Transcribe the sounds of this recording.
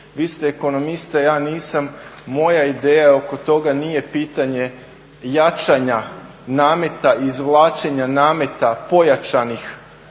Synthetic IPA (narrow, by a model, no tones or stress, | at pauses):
ʋiːst̪eːko̞no̞mist̪ajaːniːsamːo̞jaid̪eːjaeo̞ko̞t̪o̞ɡaniːje̞piːt̪aɲe̞ | jat͡ʃaɲa | naːme̞t̪aizʋlˠaːt͡ʃeɲanaːme̞t̪apo̞jat͡ʃanix